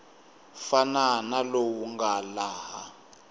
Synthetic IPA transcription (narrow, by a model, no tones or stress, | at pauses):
fananalowuŋɡalaːhɦa